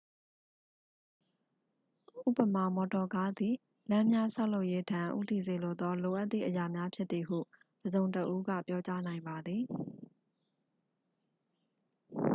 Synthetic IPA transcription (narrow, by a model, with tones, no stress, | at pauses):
ʔʔṵ˦˨pə˨ma˨mɔ˨tɔ˨ka˦d̪i˨ | lã˦mja˦sa˦ʊlo˦ʊʔje˦tʰã˨ʔṵ˦˨t̪i˨ze˨lo˦˨d̪ɔ˦lo˨ʔa˦t̪ːθḭ˦˨ʔəja˨mja˦pʰjɪ˦t̪t̪i˨ɦṵ˦˨ | d̥əzõ˨ʊ̃ntəʔu˦ɡä̰˦˨pjɔ˦t͡ɕa˦nã˨ɪ̃mba˨d̪ði˨